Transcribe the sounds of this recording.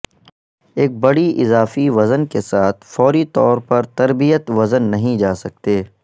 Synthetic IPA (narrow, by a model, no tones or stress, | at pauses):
eːk̚bɐɽiʔɪzaːfiʋɐzənkesaːt̪ʰfɔːɾit̪ɔːɾpɐɾt̪ɐɾbijət̪ʋɐzənːɐɦĩd͡ʒaːsɐk̚t̪eː